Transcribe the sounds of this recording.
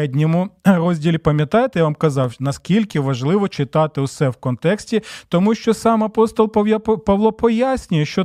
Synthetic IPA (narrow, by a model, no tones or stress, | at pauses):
ɛdʲnʲɔmʊrɔzʲdʲilʲipɐmʲjɐt̪ɑjet̪ejaʋɑmkɐzɑwnɐskʲilʲkɪʋɐʒlˠɪʋɔt͡ʃɪt̪ɑt̪ɪwsɛwkɔnt̪ɛksʲtʲit̪ɔmuʃt͡ʃɔsɑmɐpɔst̪ɔlˠpɐʋlˠɔpɔjasʲnʲʊjɛʃt͡ʃɔ